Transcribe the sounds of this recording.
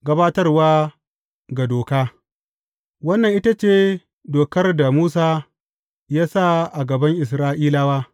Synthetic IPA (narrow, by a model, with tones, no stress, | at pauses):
ɡɐ˦baː˦tɐ˦rwaː˦ | ɡa˨doː˨kaː˦ | wɐ˦nːɐ˨ŋʔɪ˦ta˦t͡ʃeː˦˨ | doː˨kɐ˦rda˨muː˦s̬aː˦ | jaː˦sa˦˨ʔa˨ɡɐ˨bɐ˦ŋʔɪ˨s̬ɾaː˦ʔiː˦laː˦waː˦